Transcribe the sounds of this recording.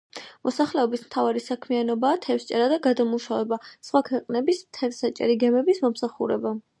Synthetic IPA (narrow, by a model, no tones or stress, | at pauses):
mɔsaχlɛɔbismt̪ʰavaɾisakʰmianɔbaːt̪ʰɛfst͡ʃʼɛɾad̪aɡad̪amuʃavɛbasχwakʰwɛqʼnɛbismt̪ʰɛɾsat͡ʃʼɛ̰ɾiɡɛmɛbismɔmsaχṵɾɛba